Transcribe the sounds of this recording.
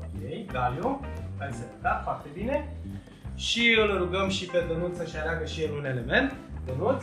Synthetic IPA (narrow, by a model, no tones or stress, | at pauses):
okejɡaliopaseət̪at̪foart̪e̞bine̞ | ʃiɨlɾuɡəmʃiped̪onut̪səʃiaɾeaɡəʃiɨnune̞le̞me̞nt̪d̪onut̪sʲ